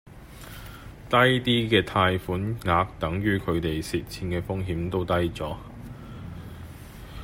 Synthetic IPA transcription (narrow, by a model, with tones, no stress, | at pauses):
t̪ɐ˥jt̪iː˥kɛː˧t̪ʰaː˧jfuː˨˥nŋaː˨˧k̚t̪ɐ˨˥ŋɥyː˥kʰɵ˨˧ɥt̪e˨jsiː˨t̚t͡sʰiː˧nkɛː˧fʊ˥ŋɦiː˨˥mt̪o˥wt̪ɐ˥jt͡sɔː˨˥